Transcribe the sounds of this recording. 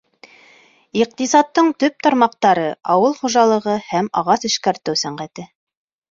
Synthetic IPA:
iq̚t̪isɑt̪ːɤɴt̪ɵp̚t̪ɑɾmɑq̚t̪ɑɾɤɑwɤlˠχuʒɑlˠɤ̆ʁɤhæmɑʁɑsɘ̆ʃkæɾt̪ɘwsæɴɢæt̪ɘ

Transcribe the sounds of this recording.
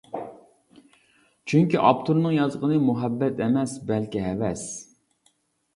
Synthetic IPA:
t͡ʃʰyŋkʲiʔɑpt̪ʰuɾnɨŋjɑzʁənɨmuɦɛbːɛt̪ʰɛmɛsbɛlkʲiɦɛvɛs

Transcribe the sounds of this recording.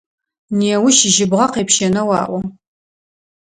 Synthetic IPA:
neːwʊʃɪʒɪbʁɐqeːpʃɐnɐwɑːʔʷɔ

